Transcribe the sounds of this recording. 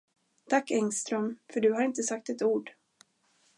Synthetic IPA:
t̪ʰakːɛŋst̪ɾœmfœɖɵɦaɾɪnt̪əsak̚t̪ɛt̪uːɖ

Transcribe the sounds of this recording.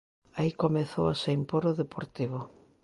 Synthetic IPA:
aikomeθowaseimpoɾoðepoɾt̪iβ̞o

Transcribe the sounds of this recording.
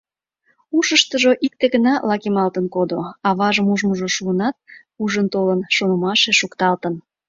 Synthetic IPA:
uʃəʃt̪əʒoʔik̚t̪eɣənɑlɑkemɑlt̪ənkod̪oɑβɑʒəmuʒməʒoʃuənɑt̪̚ | uʒənt̪olənʃonəmɑʃeʃukt̪ɑlt̪ən

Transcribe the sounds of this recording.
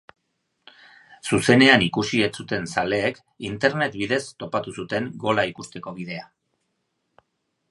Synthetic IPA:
suse̞ne̞anikusie̞t͡sut̪e̞nsale̞ːk | int̪e̞ɾne̞t̪biðe̞st̪o̞pat̪usut̪e̞ŋɡo̞laikust̪e̞ko̞βið̞e̞a

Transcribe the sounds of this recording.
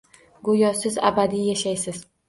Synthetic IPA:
ɡojɒsɪza̰bad̪ijaʃajsɪz̥

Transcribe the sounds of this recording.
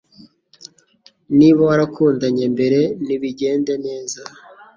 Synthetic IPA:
niβoaɾakuːndaɲembe̞ɾe̞niβiɟe̞ːndene̞ːza

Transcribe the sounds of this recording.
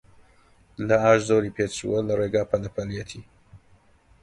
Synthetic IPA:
lɐaːʃzoɾiːpʰet͡ʃṵwɐlɐreːɡaːpʰɐlɐpʰɐljɛt̪ʰiː

